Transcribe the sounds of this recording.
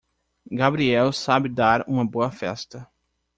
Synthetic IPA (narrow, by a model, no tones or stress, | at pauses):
ɡabɾiɛwsabɪd̪aɾũmɐboɐfɛ̰st̪ɐ